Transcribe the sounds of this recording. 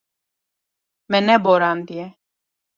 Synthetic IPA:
mɛnɛbɔɾand̪iɛ

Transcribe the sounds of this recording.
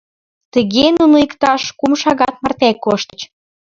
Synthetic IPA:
t̪əɣenunoikt̪ɑʃkumʃɑɣɑt̪̚mɑrt̪ækːoʃt̪ə̥̆t͡ɕ

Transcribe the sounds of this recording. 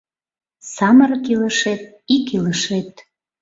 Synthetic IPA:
sɑmərkiləʃet̪̚ | ikiləʃet̪

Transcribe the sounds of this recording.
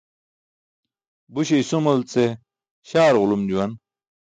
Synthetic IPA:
buɕ̬eisomɐlt͡se | ɕaːɾʁʊlumd͡ʑuwɐn

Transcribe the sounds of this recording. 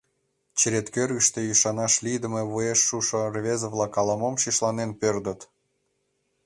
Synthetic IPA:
t͡ɕəɾet̪kørɣə̆ʃt̪ejyʃɑnɑʃlid̪ə̆meβueʃːuʃŏrvʲezovlˠɑkɑlˠɑmomʃiʃlɑnenpørd̪ə̆t̪

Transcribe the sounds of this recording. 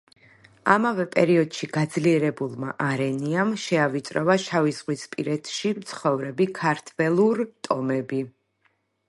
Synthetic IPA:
amavɛpʼɛɾiɔd̪ʃiɡ̥ad̪zliɛɾɛbulˠma̰ʔaɾɛniamʃɛavit̪sʼɾɔvaʃavizʁwispʼiɾɛt̪ʰʃimt̪sʰχɔvɾɛbikʰaɾt̪ʰvɛlˠuɾt̪ʼɔmɛbi

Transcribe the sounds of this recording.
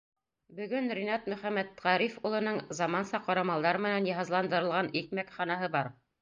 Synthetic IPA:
bɵ̆ɡɵnɾinɑt̪mɵ̆χæmːæt̪ʁɑɾifulˠɤ̆nɤɴzɑmɑnsɑqɑɾɑmɑlˠd̪ɑɾɤmɘ̆nænjɑɦɑzlˠɑnd̪ɤ̆ɾɤ̆lˠʁɑnikmækχɑnɑɦɤbɑɾ

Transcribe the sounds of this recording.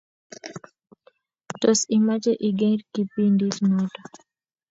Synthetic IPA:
tɔsimat͡ʃɛʔiɡɛntkipindismɔtɔ

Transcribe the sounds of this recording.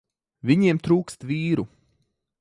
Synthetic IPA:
viɲiɛmt̪ɾuːkst̪viːɾu

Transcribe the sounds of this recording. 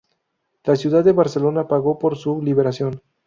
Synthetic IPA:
lasjuðad̪ːeβaɾse̞lo̞napaɣo̞po̞ɾsuliβe̞ɾasjo̞n

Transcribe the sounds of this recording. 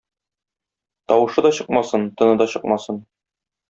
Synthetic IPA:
t̪ɒwɤ̆ʃɤd̪ɒɕɤqmɑsɤnt̪ɤ̆nɤd̪ɒɕɤq̚mɑsɤn

